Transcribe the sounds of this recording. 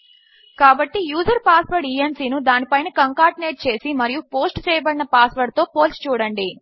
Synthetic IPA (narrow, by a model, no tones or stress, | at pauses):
kaːbɐʈːijuːd͡ʒɐɾpaːsʋɐɾɖiːensiːnud̪aːnipɐjnɐkɐŋkaːɾʈineːʈ̚t͡ʃe̞ːsimɐɾijupo̞ːsʈt͡ʃɛːjɐbɐɽinɐpaːsʋɐɾɖt̪o̞ːpoːlst͡ʃuːɽɐɳɖi